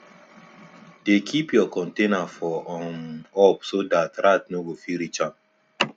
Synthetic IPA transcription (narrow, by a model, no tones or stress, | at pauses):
dekʰipjɔkɔ̃ntenafɔʔɔ̃nɔpsodatɾat̚nowofiɾit͡ʃãm